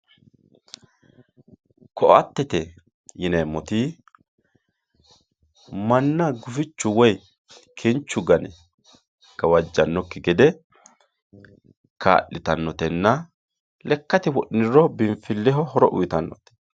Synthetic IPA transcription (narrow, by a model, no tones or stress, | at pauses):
kʰɔʔɐ̰t̪ːɛt̪ɛ | jɪnɛmːɔt̪ɪ | mɐnːɐɡʊfɪt͡ʃːʊwɔj | kʰɛnt͡ʃːʊɡɐnɛ | ɡ̥ɐwɐd͡ʒːɐnːɔkːɪɡɛd̪ɛ | kʰa̰ːʔːɪt̪ɐnːɔt̪ɛnːɐ | lɛkːɐt̪ɪwɔʔnɪɾɔbɪmfɪlːɛɦɔhɔɾɔʔʊ̰jt̪ɐnːɔt̪ɛ̥